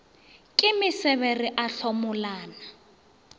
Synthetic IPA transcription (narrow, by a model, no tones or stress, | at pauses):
kʼɪmɪsɛβɛrɪʔaɬʰɔmʊlaːna